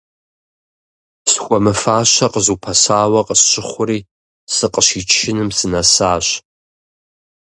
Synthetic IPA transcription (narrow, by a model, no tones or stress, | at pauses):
sxʷɔmɨfaːɕɐqəzuːpʰɐsaːwɐqəsɕɪχʷʊɾiː | sɨqəɕiːt͡ʃʰʃɪnɨmsɨnɐsaːɕ